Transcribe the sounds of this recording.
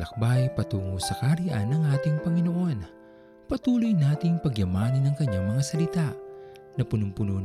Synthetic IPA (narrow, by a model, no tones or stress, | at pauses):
lɐk̚bajpɐt̪uːŋosɐkaɾjʔa̰nːɐŋʔaːt̪ɪŋpɐŋɪno̞ʔo̞n | pɐt̪uːlojnaːt̪ɪŋpɐɡjɐmaːnɐnɐŋkɐɲːaŋmɐŋasɐlɪt̪aʔ | nɐpʊnʊmpʊno